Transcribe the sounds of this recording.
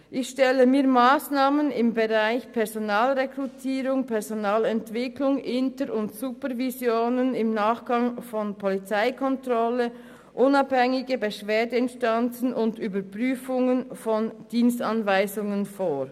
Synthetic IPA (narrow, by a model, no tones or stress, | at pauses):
ʔɪçʃtɛləmiːɐmaːsnaːmənɪmbəʁaɪçpʰɛɐzonaːlʁekʁutʰiːʁʊŋpʰɛʁzonaːlɛntv̥ɪklʊŋʔɪntəɾʊntsupəʁvizjoːnənɪmnaːχɡ̥ɑŋfɔnpʰɔlit͡saɪkʰɔntʁɔlə | ʔʊnɑphɛŋɪɡəbəʃv̥eːɐdəɪnstant͡sn̩ʔʊndyːbəpʁ̥yːfʊŋənfɔnd̥iːnstanvaɪzʊŋənfoː